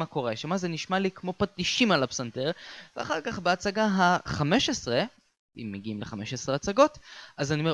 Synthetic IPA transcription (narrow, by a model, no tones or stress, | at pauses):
ako̞ʁeʃamazeniʃmalikmo̞patiʃimalapsanteʁveaχaʁkaχbeat͡saɡaɦaχame̞ʃesʁe | ḭmːeɡiimleχameʃesʁeat͡saɡo̞tazanime